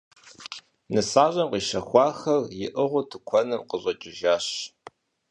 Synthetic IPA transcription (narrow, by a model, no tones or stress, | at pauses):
nɨsaːʑʼɐmqiːʃɐxʷɑːxɐrjɪʔəʁʷʊtʰɨkʷʰɔnɨmqəɕʷʼɐt͡ʃʼɪʒaːɕ